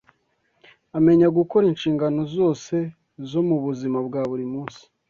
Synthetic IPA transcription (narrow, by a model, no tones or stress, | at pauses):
ame̞ɲaɡuko̞ɾinʃiːŋɡano̞zo̞ːse̞ | zo̞muβuzimabɡaːβuɾimuːnsi̥